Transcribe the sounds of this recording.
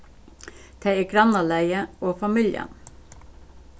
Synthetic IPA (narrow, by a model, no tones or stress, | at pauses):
t̪ʰeɪiːɡɾɑnɑlæɪəoːfɑmɪljə̰n